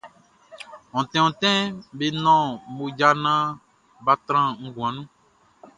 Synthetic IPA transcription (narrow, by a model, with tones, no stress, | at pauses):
ɔ̃˨t̪ɛ̃˨ɔ̃˨t̪ɛ̃˦be˦nɔ̃˦mo˨d͡ʒa˦nã˦ | ba˦t̪ɾ̃ã˦ŋ̩˦ɡũ˨ã˨nũ˦